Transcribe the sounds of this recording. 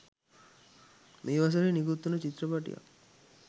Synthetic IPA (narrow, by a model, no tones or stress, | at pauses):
meːʋas̬ɐɾeniɡut̪ːunot͡ʃit̪ːɾɔpaʈḭja̰